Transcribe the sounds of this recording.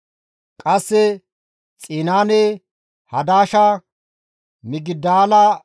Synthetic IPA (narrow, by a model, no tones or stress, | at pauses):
kʼɐsːɛ | t͡sʼiːnaːneː | hɐd̪aːʃa | mɪɡɪd̪aːlɐ